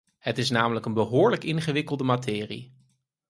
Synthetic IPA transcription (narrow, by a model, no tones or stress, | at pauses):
hətɪsnaːmələkənbəɦʊːɹləkɪnχəʋɪkəlˠdəmatʰɪːrḭ